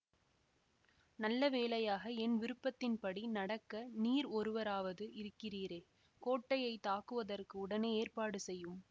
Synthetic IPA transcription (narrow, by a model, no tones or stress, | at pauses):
nɐlːɐʋeːlɐjaːɣɐɛnʋɪɾɯpːɐt̪ːɪnpɐɽinɐɽɐkːɐniːɾɔɾɯʋɐɾaːʋɐðɯʔɪɾɯkːɪriːɾeː | koːʈːɐjɐɪt̪ːaːkɯʋɐðɐrkɯʊɽɐneːeːrpaːɽɯsɛjːɯm